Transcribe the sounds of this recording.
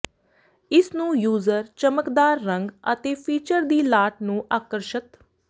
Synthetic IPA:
ɪsnũːjuːzəɾt͡ʃəməkd̪aːɾːə̃ŋɡə̰t̪eːpʰiːt͡ʃəɾd̪iːlaːʈ̚nũːʔaːkəɾʃət̪

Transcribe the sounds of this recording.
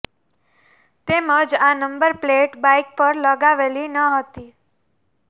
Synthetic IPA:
t̪eməd͡ʒanəmbəɾpleʈbaik̚pəɾləɡaʋelinəɦət̪i

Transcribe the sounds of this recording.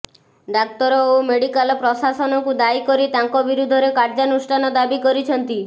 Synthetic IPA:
ɖak̚t̪ɔɾɔomeɽikalɔpɾɔsasɔnɔkud̪aikɔɾit̪aŋkɔbiɾud̪ʱɔɾekaɾd͡ʒanusʈʰanɔd̪abikɔɾit͡ʃʰɔnt̪i

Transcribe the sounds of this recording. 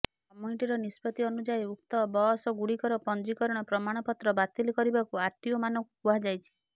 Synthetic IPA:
kɔmjuniʈiɾɔnispɔt̪iɔnud͡ʒajuk̚t̪ɔbɔɦɔsɔɡuɽikɔɾɔpɔnd͡ʒikɔɾɔɽ̃ɔpɾɔmaɽ̃ɔpɔt̪ɾɔbat̪ilkɔɾibakuaɾt̪iɔmanɔkukuad͡ʒajt͡ʃʰi̥

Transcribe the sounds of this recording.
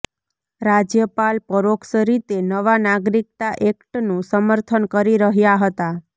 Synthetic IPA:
ɾad͡ʒjəpalpəɾoksəɾit̪enəʋanaɡɾik̚t̪aʔekʈnũsəməɾt̪ʰənkəɾiɾəɦjaɦət̪a

